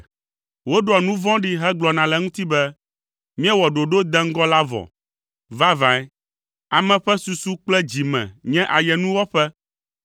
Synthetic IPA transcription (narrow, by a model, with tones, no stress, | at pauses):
wo˦ɖɔ˨nũ˦vɔ̃˦ɖi˦ɦɛ˦ɡ͡blɔ˨nã˨lɛ˨ŋũ˦t̪i˦bɛ˦ | mĩ˦a˦wɔ˨ɖo˨ɖo˦d̪ɛ̃˦ŋ̩˦ɡɔ˦la˦vɔ̰˨ | va˦vã˨ɛ˦ | a˨mɛ̃˨ɸɛ˦su˨su˦k͡plɛ˦d͡ʑi˨mɛ̰̃˨ɲɛ̃˦ʔa˨jɛ˨nũ˦wɔ˦ɸɛ˦